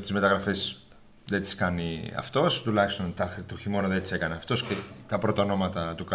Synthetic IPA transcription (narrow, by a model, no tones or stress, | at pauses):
t̪izme̞t̪ɐɣɾɐfes | ðet̪i̥skɐniɐ̰ft̪o̞st̪ulɐçst̪o̞nt̪ɐt̪oçimo̞noðet̪isekɐneɐft̪o̞scet̪ɐpɾot̪ɐono̞mɐt̪ɐt̪ukɐ